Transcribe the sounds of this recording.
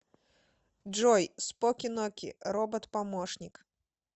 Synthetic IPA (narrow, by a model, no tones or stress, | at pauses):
d͡ʐɔjspɔkʲinɔkʲḭɾɔbɐt̪pamɔʂnʲik